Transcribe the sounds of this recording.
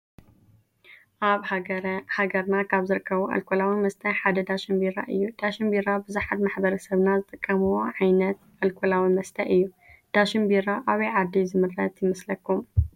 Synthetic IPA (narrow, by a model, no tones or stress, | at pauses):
ʔaβhaɡɐɾnakʰaβzɨɾɨkʰːɐβuʔɐ̰lkʰolawimɐst̪ʰɐħad̪ɐd̪aʃimbiɾa̰ʔɨ̰jːud̪̥aʃimbiɾabɨzuħat̪maħbɐɾɐsɐβnazɨt̪ʼɨkʼːɐmuwoʕajnɐt̪ʔɐlkʰolawimɐst̪ʰɐʔɨjːu | d̪̥aʃinbiɾaʔaβɐjʕad̪ːizɨmɨɾːɐt̪jɪmɐslɐkʰːum